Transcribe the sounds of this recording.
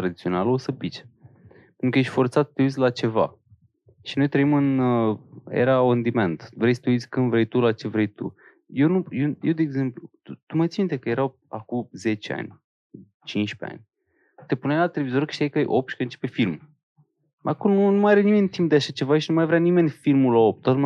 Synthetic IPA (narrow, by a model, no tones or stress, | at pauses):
t̪ɾad̪it̪sio̞nalosəpit͡ʃ | penɾukəjeʃʲt̪ʲfo̞ɾt̪sat̪̚t̪ːeut̪sʲlat͡ʃe̞va̰ | ʃino̞jt̪ɾəimɨn | jḛɾaond̪iment̪vɾejst̪eusʲkɨnd̪vɾejt̪ulat͡ʃe̞vɾejt̪ṵ | jewnujejewd̪eːɡze̞mplut̪ut̪umajt̪sint̪ekəjeɾaw | akuze̞t͡ʃea̰nʲ | t͡ʃint͡ʃpea̰nʲ | t̪e̞punajlat̪e̞le̞vizo̞ɾkɨ̥ʃt̪iajkajʔop̚ʃi̥kəɨnt͡ʃe̞pefilm | ma̰akununumaaɾenime̞nʲt̪imp̚d̪eaʃat͡ʃevaʃinumajvɾʲanime̞nʲfilmulaop̚t̪at̪ma